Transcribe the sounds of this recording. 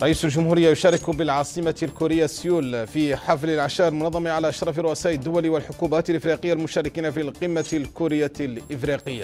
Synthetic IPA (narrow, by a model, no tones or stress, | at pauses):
ɾˤɑʔiːsʊlʒʊmhuːɾɪjːajʊʃaːɾˤɪkʊbɪlʕɑːsˤɨmalkʊɾɪjːasjuːlfiħaflalʕaʃaːʔɪlmʊnɑðˤːɑmiʕalaʔaʃɾˤɑːfɪɾˤːʊʔasaːʔɪd̪ːʊwaliwɪlħʊkubaːt̪ɪlʔɪfɾiqɪjːalmʊʃaːɾɪkiːnafilqɨmːalkʊɾɪjːalʔɪfɾiqɪjːa